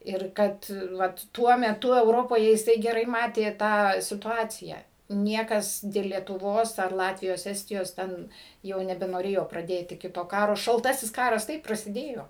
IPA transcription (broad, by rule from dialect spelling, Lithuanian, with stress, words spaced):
ɪr ˈkɐt ˈʋɐt ˈtuɔ mʲɛˈtʊ ɛʊˈroːpoːjɛ jɪˈsɐɪ ɡʲɛˈrɐɪ ˈmɑːtʲeː tɑː sʲɪtʊˈɑːt͡sʲɪjæː ˈnʲiɛkɐs dʲeːlˠ lʲiɛtʊˈʋoːs ɐr ˈlˠɑːtʲʋʲɪjoːs ˈæːsʲtʲɪjoːs ˈtʲɛn ˈjɛʊ nʲɛbʲɛnoːˈrʲeːjoː prɐˈdʲeːtʲɪ ˈkʲɪtoː ˈkɑːroː ʃɐlˠˈtɑːsʲɪs ˈkɑːrɐs ˈtɐɪp prɐsʲɪˈdʲeːjoː